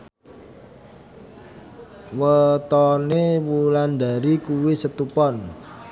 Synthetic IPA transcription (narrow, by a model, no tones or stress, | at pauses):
wət̪ɔnewuland̪a̤ɾikuwisət̪upɔn